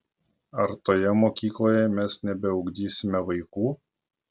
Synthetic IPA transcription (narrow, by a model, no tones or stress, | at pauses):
ɐɾt̪oːjɛmoːkʲiːklˠoːjɛmʲɛsnʲɛbʲɛɔʊɡd̪ʲiːsʲɪmʲɛʋɐɪkuː